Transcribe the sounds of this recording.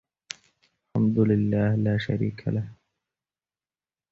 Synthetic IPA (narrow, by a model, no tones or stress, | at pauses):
alħamd̪ʊlɪlːaːhlaːʃaɾḭːkʰa̰lah